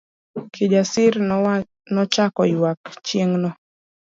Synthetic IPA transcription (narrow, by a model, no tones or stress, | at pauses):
kʰid͡ʒasɪɾ | nɔt͡ʃakɔjwakt͡ʃjeŋnɔ